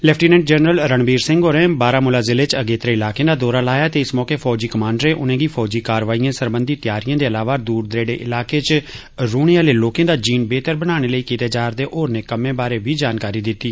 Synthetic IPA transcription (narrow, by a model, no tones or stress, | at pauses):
lɛːpʰʈiːnɛ̃ːʈd͡ʒənɾəlɾəɳbiːɾsɪ̃ŋɡoːɾẽːbaːɾaːmʊlaːzɪleːt͡ʃəɡeːt̪əɾeːɪlaːkẽːd̪aːd̪ɔːɾaːlaːjaːt̪eːɪsmɔːkeːpʰɔːd͡ʒiːkəmãːɳɖəɾeːʔʊnẽːɡiːpʰɔːd͡ʒiːkaːɾʋaːijãːsəɾbə̃nd̪iːt̪ɪjaːɾijãːd̪eːəlaːʋaːd̪uːɾd̪ɾeːɖḛːʔɪ̰laːkeːt͡ʃ | ɾuːɽ̃eaːleːloːkẽːd̪aːd͡ʒiːnbeːt̪əɾbəñaːɽ̃eːləiːkiːt̪eːd͡ʒaːɾd̪eːʔoːɾneːkəmẽːbaːɾeːʋiːd͡ʒaːnkaːɾiːd̪ɪt̪ːiː